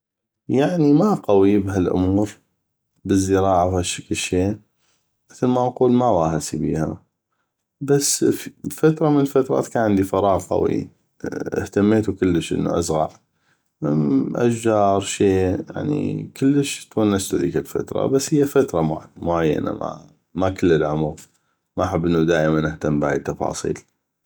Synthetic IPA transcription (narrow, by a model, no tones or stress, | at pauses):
jaʕnimaqɑwibɦalʔʊ̰muːɾ | bəzːɨɾɑːʕawhaʃːaklʃːeː | mɪθlmaʔquːlmawaːhasibḭːha | basːffat̪ɾˤɑmənlfat̪ɾˤɑ̰ːt̪kaːnʕɪnd̪ifɑɾˤɑːɣqɑ̰wḭ | ə̰ht̪amːeːt̪ukəlːəʃʔə̰nːṵʔa̰sɣɑ̰ʕ | ʔa̰ʃd͡ʒɑːɾˤʃeːja̰ʕnḭkəlːəʃt̪wanʔast̪uðiːkɪlfa̰t̪ɾˤɑ̰basːhɪjːafat̪ɾˤɑmmʊʕajːa̰na̰ma̰ | makʊlːəlʕʊmɣ | maħɪbːʔɪnːud̪aːʔmanʔɪht̪ambaʕit̪ːɑfɑ̰ːsˤḭːl